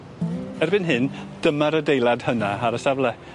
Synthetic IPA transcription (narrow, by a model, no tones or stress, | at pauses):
ɛrbɪnɦɪnd̥əmaɾədejlˠad̥hənaaɾəsavlˠɛ